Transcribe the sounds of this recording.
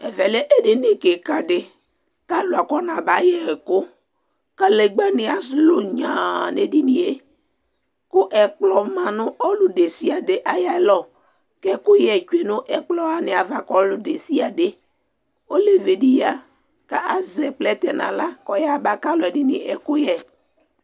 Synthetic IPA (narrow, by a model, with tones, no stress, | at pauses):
ɛ˨vɛ˨le˦ʔe˦de˨ne˨ke˨ka˦dɪ˨ | ka˦lʊ˨a˨kɔ˦nã˨ba˨˦jɛ˨kʊ˦ | ka˦le˨ɡ͡bɛ˦nɪ˨a˨slo˨ɲã˨ne˨di˦nĩ˨e˨ | kʊ˦ʔɛ˨k͡plɔ˨mã˨nʊ̃˦ʔɔ˦lu˨de˨si˦a˨de˨ʔa˨ja˦lɔ˨ | kɛ˦kʊ˦jɛ˨t͡ʃe˨nʊ̃˦ʔɛ˨k͡plɔ˨a˨nɪ̃˨a˨va˨kɔ˦lʊ˨de˨si˦a˨de˦ | o˦le˨ve˨di˦ja˨ | ka˦ʔa˨zɛ˨k͡plɛ˦t̪ɛ˨nã̰˨la˦kɔ˨ja˦ba˨ka˦lɔ˨ɛ˨dɪ˦nɪ̰˨ʔɛ˨kʊ˦jɛ˨